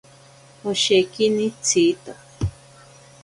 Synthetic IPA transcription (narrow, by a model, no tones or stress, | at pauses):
oʃekinit͡sʰit̪o